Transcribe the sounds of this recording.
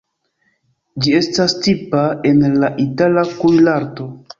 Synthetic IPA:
d͡ʒie̞stastipae̞nlaʔitalakujlaɾto̞

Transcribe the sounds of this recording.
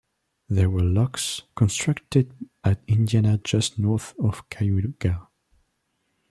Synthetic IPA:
ðɛwə˞lɔkskɔ̃nstʰɹ̥aktɪd | atɪ̃ndianad͡ʒʌstnɔɹθɔv̥kʰajuɡa

